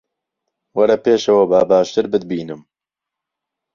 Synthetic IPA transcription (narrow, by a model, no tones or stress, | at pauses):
wɐɾɐpeːʃɐwɐbaːbaːʃt̪ɨɾbɨd̪̚biːnɨm